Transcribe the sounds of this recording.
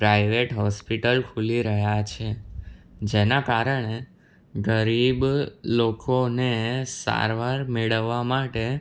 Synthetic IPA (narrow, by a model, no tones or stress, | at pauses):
pɾajʋeʈɦɔspiʈəlkʰuliɾəɦjat͡ʃʰe | d͡ʒenakaɾəɳ̃e | ɡəɾiblokʰonesa̰ɾʋaɾmeɭəʋːamaʈe